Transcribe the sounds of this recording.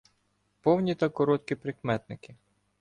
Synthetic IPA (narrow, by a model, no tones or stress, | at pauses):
pɔwnʲit̪ɑkɔɾɔt̪kʲipɾɪkmɛt̪nɪkɪ